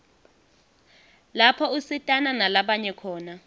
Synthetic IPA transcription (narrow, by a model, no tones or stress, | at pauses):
lapʰɔusitʼananalaɓaɲɛkʰɔːna